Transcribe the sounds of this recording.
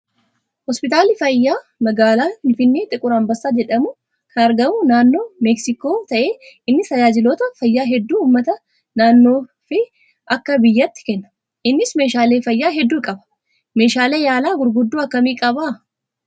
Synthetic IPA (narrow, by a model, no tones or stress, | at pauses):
hɔspɪt̪aːlɪfɐjːaː | mɐɡaːlaːhɪnfɪnːeːt̪ʼɪkʼʊɾɐmbɐsːaːd͡ʒɛᶑɐmʊ | kʰɐnɐɾɡɐmʊnaːnːo̞ːmɛksɪko̞ːt̪ɐʔe̞ːɪnːɪt̪ɐjaːd͡ʒɪloːt̪ɐfɐjːaːɦɛd̪ːuːmːɐt̪ɐ | naːnːo̞ː | fɪ | ʔɐkːɐbɪjːɐt̪ːɪ̥kɛnːɐ̥ | ʔɪnːɪsme̞ːʃaːle̞ːfɐjːaːɦɛd̪ːuːkʼɐbɐ̥ | me̞ːʃaːleːjaːlaːɡʊɾɡʊd̪ːuːɐkːɐmiːkʼɐbaː